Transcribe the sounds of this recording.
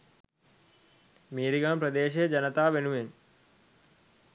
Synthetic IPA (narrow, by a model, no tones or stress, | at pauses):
miːɾiɡaːmprɐd̪eːɕ̬ɐɐd͡ʒɐnɐt̪aːʋenuʋen